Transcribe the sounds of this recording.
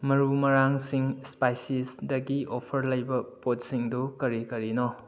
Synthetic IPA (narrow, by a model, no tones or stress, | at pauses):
mɐɾumɐɾaŋsiŋspajsisdɐɡiopʰɐɾlɐjbɐpot̚siŋdukɐɾikɐɾino